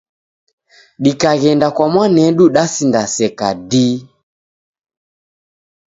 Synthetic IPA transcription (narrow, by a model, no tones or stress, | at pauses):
ɗikaɣɛndakwamwanɛɗuɗasindasɛka̰di